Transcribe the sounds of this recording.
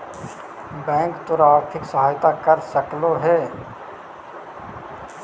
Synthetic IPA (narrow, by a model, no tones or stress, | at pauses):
bɛ̃ːŋkt̪ʊɾaːɾt̪ʰɪksəɦaːjt̪akəɾsəkloɦɛː